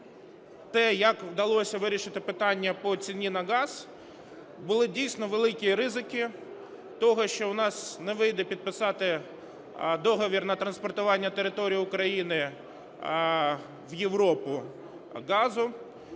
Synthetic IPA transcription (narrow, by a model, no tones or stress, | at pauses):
t̪ɛjɐkwd̪ɐlˠɔsʲɐʋɪɾʲiʃɪt̪ɪpɪt̪ɑnʲːɐpɔt͡sʲinʲinɐɣɑz | bʊlˠɪdʲijsʲnɔʋelˠɪkʲiɾɪzɪkɪ | t̪ɔɦɔʃt͡ʃɔʊnɑsnɛʋɪjd̪ɛpʲid̪̚pɪsɑt̪ɪ | d̪ɔɦɔʋʲirnɐt̪ɾɐnspɔrt̪ʊʋɑnʲːɐt̪eɾɪt̪ɔɾʲijiʊkɾɐjinɪ | ʋjeʋɾɔpʊ | ɡɑzʊ